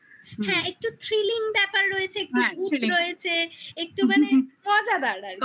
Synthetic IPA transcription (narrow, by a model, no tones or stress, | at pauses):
hɛ̃ek̚ʈut̪ʰɾiliŋbɛpaɾːojet͡ɕʰeek̚ʈuuɾojet͡ɕʰeek̚ʈumaneɔd͡ʑad̪aɾɖaɾ